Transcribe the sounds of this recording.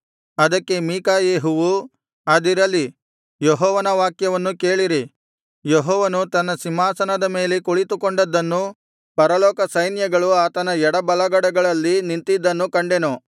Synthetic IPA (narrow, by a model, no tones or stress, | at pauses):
ɐd̪ɐkːe̞miːkaːjeːɦuʋu | ɐd̪iɾɐlːi | jeɦɔːʋɐnɐʋaːkjɐʋɐnːuke̞ːɭiɾi | jeɦɔːʋɐnut̪ɐnːɐsimaːsɐnɐd̪ɐme̞ːlekoɭit̪ukoɳɖɐd̪ːɐnːu | pɐɾɐlɔːkɐsɐjnjɐɡɐɭuaːt̪ɐnɐɛɽɐbɐlɐɡɐɽɐɡɐɭɐlːinint̪id̪ːɐnːukɐɳɖenu